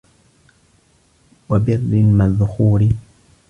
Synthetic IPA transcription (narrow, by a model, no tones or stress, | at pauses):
wabɪrːɪlmaðʊxuːɾɪ